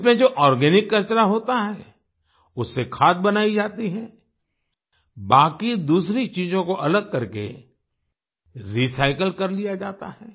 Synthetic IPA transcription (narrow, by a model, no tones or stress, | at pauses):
mẽd͡ʒoːʔɔːɾɡɛːnɪkːɐɾt͡ʃəɾaɦoːt̪aɦɛː | ʊsːekʰaːt̪̚bɐnaːid͡ʒaːt̪iɦɛː | baːkid̪uːsɾit͡ʃiːzõkoʔɐləɡ̚kɐɾkḛ | ɾisaːɪkəlkɐɾlijad͡ʒaːt̪a̰ɦɛː